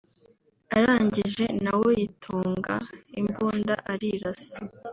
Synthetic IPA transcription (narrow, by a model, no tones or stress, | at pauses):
aɾaːɲɟiʒe̞nawo̞jitʰuːŋɡaimbuːnda̰ʔaɾiɾasi